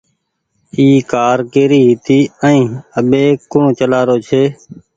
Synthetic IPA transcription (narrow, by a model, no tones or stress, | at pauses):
iːkaːɾkeːɾiːɦɪt̪iːəĩːəɓeːkõːt͡ʃəlaːɾoːt͡ʃʰeː